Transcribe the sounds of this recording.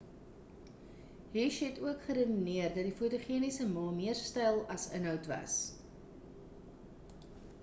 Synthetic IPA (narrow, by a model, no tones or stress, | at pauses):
ɦiʃɦɛtuəkχəɾənniərdɐt̚difutoχiənisəmɑːmiərstɛjlˠɐsənɦœwtvɐ̰s